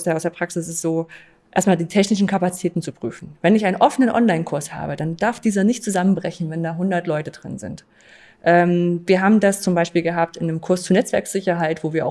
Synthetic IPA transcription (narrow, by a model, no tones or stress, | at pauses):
sdaʊsd̥eːɐpʁ̥aksɪs̬ɪstz̥oː | ʔḛːɐstmaːldiːtʰɛçnɪʃn̩kʰapat͡si̥tʰɛːtn̩t͡supʁ̥yːfn̩vɛnɪçʔaɪnənʔɔfənənʔɔ̰nlaɪnkʰʊɐsha̰ːbədand̥aɐfd̥iːzɐnɪçtt͡suzamənbʁɛçn̩vɛndaːɦʊndɐtlɔʏtədʁɪ̰nzɪ̰nt | ʔɛːmviːɐɦaːbm̩dast͡sʊmbaɪʃpiːlɡəɦaːp̚tɪnmkʰʊɐst͡suɐnɛt͡sv̥ɛɐkz̥ɪçɐɦaɪtv̥oːviːɐa̰ʊ